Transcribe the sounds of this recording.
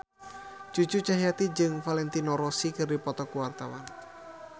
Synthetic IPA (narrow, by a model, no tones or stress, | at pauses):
d͡ʒ̥ut͡ʃut͡ʃaɦijat̪id͡ʒɨŋfalɛnt̪inɔɾɔsikɨrdipɔt̪ɔkuwart̪awa̰n